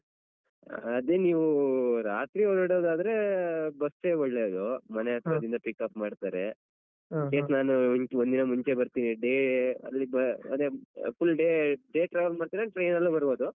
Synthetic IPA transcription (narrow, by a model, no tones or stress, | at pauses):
ɐd̪e̞niːʋuɾaːt̪ɾiɔdɐɽoːd̪aːd̪ɐɾe̞bɐsʈeɔɭːed̪omɐneɐt̪ɾɐd̪ind̪ɐpikːaːpmaːɽt̪aːɾe | keːsnaːnuond̪inɐmuɲt͡ʃe̞bɐɾt̪iːniɖeːɐ̰lːibɐɐ̰d̪efulːɖeːɖeːʈɾaːʋɐlmaːɖt̪aɾeʈɾɐjnɐlːubɐɾbo̞ːd̪u